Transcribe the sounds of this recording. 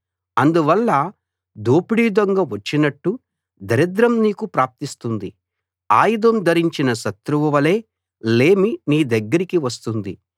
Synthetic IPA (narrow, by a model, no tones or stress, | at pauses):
ɐnd̪uʋɐlːɐ | d̪oːpiɽiːd̪oŋɡɐʋɐt͡ʃːinɐʈːu | d̪ɐɾid̪ɾɐmniːkupɾaːp̚t̪ist̪und̪i | aːjud̪ɐmd̪ʱɐɾiɲt͡ʃinɐʃɐt̪ɾuʋɐʋɐle̞ː | le̞ːminiːd̪ɐɡːɐɾikiʋɐst̪und̪i